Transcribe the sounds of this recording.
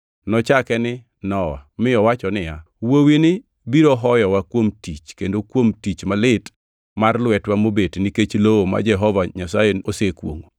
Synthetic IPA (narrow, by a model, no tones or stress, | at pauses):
nɔt͡ʃakɛnɪ | nɔwa̰mɪɔwat͡ʃɔnɪja | wowinɪ | biɾoɦɔjɔwakwomtit͡ʃkendokwomtit͡ʃmalɪt | marlwɛtwamobetniket͡ʃlowoma̰d͡ʒɛɦɔvaɲasajeosekwo̰ŋo